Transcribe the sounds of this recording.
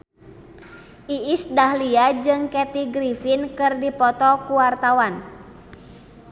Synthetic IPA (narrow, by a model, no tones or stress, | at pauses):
ʔiːsdahliad͡ʒɨŋkɛt̪iɡɾifinkɨrdipɔt̪ɔkuwart̪awan